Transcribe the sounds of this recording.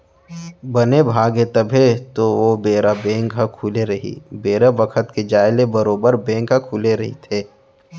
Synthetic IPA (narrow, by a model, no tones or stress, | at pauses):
bɐnebʱaːɡɦet̪ɐbʱet̪oʋobeːɾabɛ̃ːŋkɦɐkʰuːleɾɐɦḭbeːɾabɐkʰət̪ked͡ʒaːɪlebɐɾoːbəɾbẽːŋkɦɐkʰuːleɾɐɦḭt̪ʰeː